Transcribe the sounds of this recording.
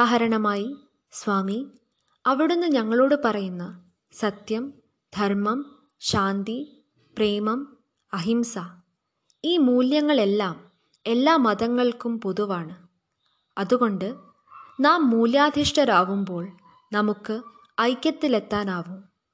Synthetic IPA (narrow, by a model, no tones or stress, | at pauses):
aːɦɐɾɐɳɐmaːji | sʋaːmi | ɐʋiɽunːɨɲɐŋːɐɭo̞ːɽɨpɐrɐjunːɐ | sɐt̪jɐm | d̪ʱɐɾmɐm | ɕaːnd̪i | preːmɐm | ɐɦimsa | iːmuːljɐŋːɐɭe̞lːaːm | e̞lːaːmɐðɐŋːɐɭkumpoðuʋaːɳɨ | ɐðuɣo̞ɳɖɨ | naːmːuːljaːd̪ʱiʂʈɐɾaːʋumbo̞ːɭ | nɐmukːɨ | ɐjkʲːɐt̪ːile̞t̪ːaːnaːʋum